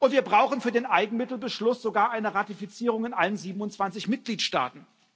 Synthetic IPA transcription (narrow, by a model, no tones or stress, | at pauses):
ʔʊntv̥iːɐbʁaʊxn̩fyːɐdeːnʔaɪɡŋ̩mɪtl̩bəʃlʊsz̥oɡaːɐʔaɪnəʁatifit͡siːʁ̞ʊŋɪnʔalənziːbm̩ʊntt͡sv̥ant͡sɪçmɪt̚ɡ̥liːtʃta̰ːtn̩